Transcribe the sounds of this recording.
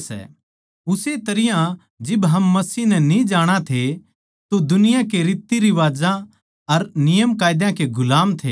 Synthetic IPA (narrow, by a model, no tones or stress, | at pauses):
sɛ̰ | ʊset̪ɐɾɪjã | d͡ʒɪbɦɐmːɐsiːnɛnĩd͡ʒaːɽ̃at̪ʰe | t̪od̪ʊnɪjãkeɾɪːt̪ːiɾiʋaːd͡ʒã | ɐɾnɪjəmkaːɪd̪jãkeɡʊlaːmt̪ʰḛː